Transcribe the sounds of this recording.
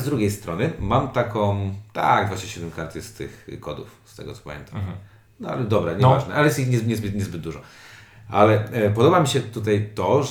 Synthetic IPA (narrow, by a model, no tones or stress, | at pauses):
zd̪ɾuɡʲejst̪ɾɔnɘmamt̪akɔ̃w̃t̪a̰ɡd̪vaɕɲɛɕɛd̪mɛmkaɾt̪ɨst̪ɪ̰xkɔd̪ṵfst̪ɛ̰ɡɔ̰t̪sɔ̥pamʲjɛ̰nt̪ʰam | nɔalɛd̪ɔbɾaɲɛvaʐnɛʔalɛjɛst̪ixɲɛɲɛzbɘt̪ɲɛzbɘd̪̚d̪uʐɔʔa̰lɛpɔd̪ɔbamʲiɕɛt̪ut̪̬ajt̪ɔʐ